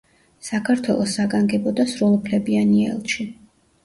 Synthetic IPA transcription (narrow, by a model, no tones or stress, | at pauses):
sakʰaɾt̪ʰwɛlˠɔsːaɡaŋɡɛbɔd̪asɾulˠpʰlɛbianiɛ̰lˠʃi